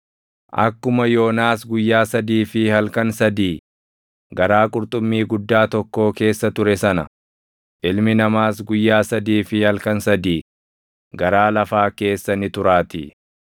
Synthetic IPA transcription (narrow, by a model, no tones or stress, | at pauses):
ʔɐ̰kːʊmɐjo̞ːnaːsɡʊjːaːsɐd̪iːfɪhɐlkɐnsɐd̪iː | ɡɐɾaːkʼʊɾt̪ʼʊmːiːɡʊd̪ːaːt̪ɔkːo̞ːke̞ːsːɐt̪ʊɾɛsɐnɐ | ʔɪlmɪnɐmaːsɡʊjːaːsɐd̪iːfɪhɐlkɐnsɐd̪iː | ɡɐɾaːlɐfaːke̞ːsːɐnɪt̪ʊɾaːt̪ɪ̰